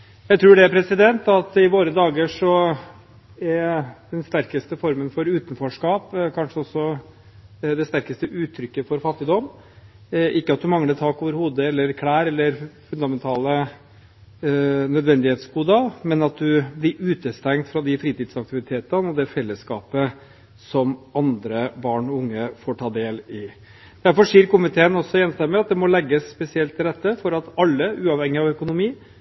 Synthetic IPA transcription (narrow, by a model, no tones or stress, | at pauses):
jæɪt̪ʰɾuːɖɛæpʰɾɛsɪd̪ɛnt̪ɑt̪ɪʋoːɾəd̪ɑːɡəʂɔ | æɾd̪ɛnst̪æɾkəst̪əfɔɾmənfɔɾʉːt̪ən̩fɔʂkɑːpkʰɑnʂəɔsːɔ | d̪ɛst̪æɾkəst̪əʔʉːt̪ʰːɾʏkːəfɔɾfɑt̪ːɪd̪ɔmː | ʔɪkːəɑt̪̚d̪ʉmɑŋləɾt̪ʰɑːkoːʋəɾhuːd̪əɛlːəɾkʰɽæːɾɛlːəɾfʉnd̪ɑmɛnt̪ʰɑːlə | nœd̪ʋɛnd̪ɪheːt̪sɡuːd̪əmɛnɑt̪̚d̪ʉblɪɾʉːt̪əst̪ɛŋt̪fɾɑd̪ɪfɾiːt̪iːd̪sɑk̚t̪ɪʋɪt̪ʰeːt̪ənɔd̪ɛfɛlːəskɑːpə | sɔmɑnd̪ɾəbɑːɳɔʊŋːəfɔʈʰɑːd̪eːlɪ | d̪̥æɾfɔʂiːɾkʊmɪt̪ʰeːənɔsːɔjɛnst̪ɛmːəɑt̪̚d̪ɛmɔlɛɡːəsːpɛsɪɛlt̪ʰːɪld̪ɛt̪ːəfɔɾɑt̪ɑlːəʉːɑʋhɛŋːɪɑʋœkʊnʊmiː